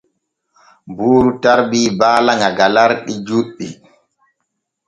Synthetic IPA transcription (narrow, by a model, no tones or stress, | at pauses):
buːɾutaɾbiːbaːlaŋɡaɡalaɾɗid͡ʒuɗːi